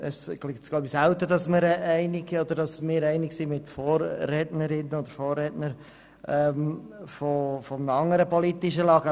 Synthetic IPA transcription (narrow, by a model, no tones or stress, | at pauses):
əsklɪktɡlaʊbisɛʊtədɑsməɾɛɪnɪɡod̪əɾdɑsmɪːɾɛɪnɪksimɪtfoːɾːɛtnəɾɪnːəod̥̪əɾfoːrɛtnəɾ | ʔɛmfofɔmnəɑŋəɾəpɔlitɪʃəlɑːɡə